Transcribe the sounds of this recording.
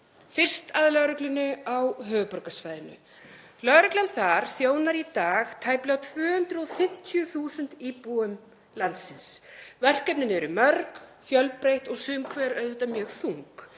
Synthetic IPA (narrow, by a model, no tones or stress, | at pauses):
fɪr̥st̪aðlœɣɾʏklɪnːʏawɦœːvʏpɔɾkasvaːjðɪnʏ̰ | lœɣɾɛklamθaɾ̥θjoːwnaɾit̪aːɣt̪ʰaːjplawt̪ʰvʏːhʏnt̪ɾʏɔfɪm̥t̪ʰjʏθuːsʏnt̪ipuʏm | lant̪sɪnsvɛr̥kœpnɪnɪɛɾʏmœɾkçjœlpɾejht̪ɔɣsʏːmkʰvɛːɾœðʏht̪amjœːɣθuŋk